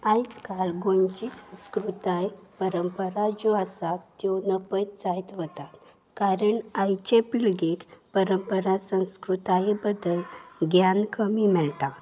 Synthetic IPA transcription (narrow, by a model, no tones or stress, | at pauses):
ajt͡skalɡoɲt͡ɕisə̃w̃skɾut̪ajpəɾəmpəɾad͡ʑoasat̪ːjɔnəpət̪t͡sajt̪ʋət̪at̪ | kaɾəɳajt͡ɕepiɭɡekpəɾəmpəɾasə̃w̃skɾut̪ajbəd̪əlɡjankəmimɛɭt̪a